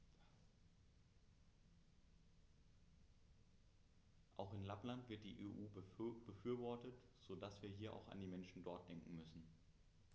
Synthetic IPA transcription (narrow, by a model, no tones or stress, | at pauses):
ʔaʊxɪnlaplantv̥ɪɐt̚d̥iːʔeːʔuːb̥əfyːɐvɔɐtət | z̥oːdasv̥iːɐɦiːɐʔa̰ʊxa̰ndiːmɛnʃn̩dɔɐt̚d̥ɛŋkŋ̩mʏsn̩